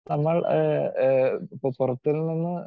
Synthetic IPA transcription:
nɐmːɐɭ | pːpurɐt̪ːilnɐnːɨ

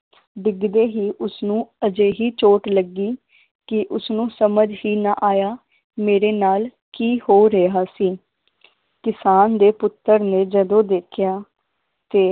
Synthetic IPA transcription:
ɖɪɡd̪eːɦiːʔʊsnũːəd͡ʒeːɦiːt͡ʃoːʈləɡːiː | kɪʔʊsnũːsəməd͡ʒɦiːnaːʔaːjaː | meːɾeːnaːl | kiːhoːɾeaːsiː | kɪsaːnd̪eːpʊt̪ːəɾneːd͡ʒəd̪õːd̪eːkʰɪjaː | t̪eː

